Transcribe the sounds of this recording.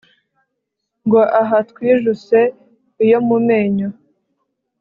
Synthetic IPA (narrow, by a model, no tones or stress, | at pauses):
ŋɡo̞ʔaɦatkwiːʒuse̞ | ijomume̞ːɲo